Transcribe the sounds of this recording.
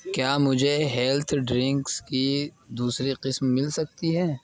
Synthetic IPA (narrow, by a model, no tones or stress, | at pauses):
kjaːmʊd͡ʒʱeɦɛlt̪ʰɖɾɪ̃ŋkskid̪uːsɾiqɪsmːɪlsɐk̚t̪iɦɛː